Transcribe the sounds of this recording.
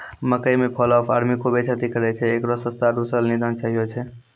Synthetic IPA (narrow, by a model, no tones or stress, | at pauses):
məkəjmepʰəlɔpʰaɾmikobet͡ʃʰat̪ikəɾɛt͡ʃʰɛːkɾɔsəst̪aɖ̪usəlnid̪ʱənt͡ʃaɦijot͡ʃʰɛ